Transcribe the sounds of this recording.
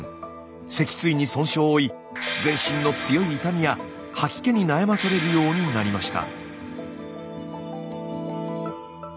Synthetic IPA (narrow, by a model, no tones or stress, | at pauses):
se̞kʲi̥t͡sɨiɲ̟isõ̞ɰ̃ɕo̞ːi | d͡zẽ̞ɰ̃ɕĩnːo̞t͡sɨjo̞iːt̪amʲija | hakʲi̥ke̞ɲ̟inajamasaɾe̞ɾɯ̟jo̞ːɲ̟inaɾʲimaɕi̥t̪a̰